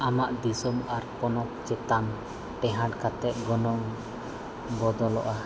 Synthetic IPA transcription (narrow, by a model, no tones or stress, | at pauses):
amaʔd̪isɔmaɾpɔnɔk̚t͡ʃɛt̪an | ʈɛɦaɖkat̪ɛʔɡɔnɔŋ | bɔd̪ɔlɔ̰ʔah